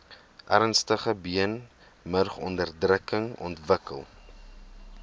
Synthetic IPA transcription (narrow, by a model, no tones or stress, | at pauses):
ʔæɾənstəχəbiən | mərχɔndərdrəkəŋɔ̰ntvəkə̰lˠ